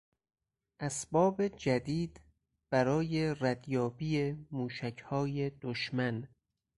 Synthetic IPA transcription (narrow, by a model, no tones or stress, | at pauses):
ʔæsbɒːbed͡ʒæd̪iːd̪ | b̥æɾɒːje̞ræd̪jɒːbiːemuːʃæcʰhɒːjed̪oʃmæn